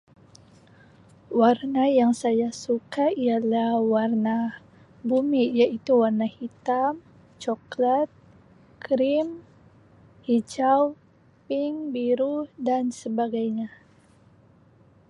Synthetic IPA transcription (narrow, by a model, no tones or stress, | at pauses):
warnajaŋsajasukaialahwarna | bumijait̪uwarnahit̪am | t͡ʃɔklat̪̚ | kɾim | hid͡ʒaw | pɪŋbiɾudansəbaɡajɲa